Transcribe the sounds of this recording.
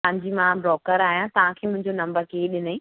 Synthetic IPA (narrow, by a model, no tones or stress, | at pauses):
ãːɲd͡ʑiːmãbɾɔːkəɾaːɦijãt̪ɐʋ̤ãkʰeːmʊ̃ɦɪ̃ɲd͡ʑonɐ̃mbəɾkeːɗɪnaĩː